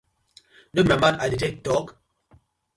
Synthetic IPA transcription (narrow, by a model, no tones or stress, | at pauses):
nomamãnaditek̚tɔk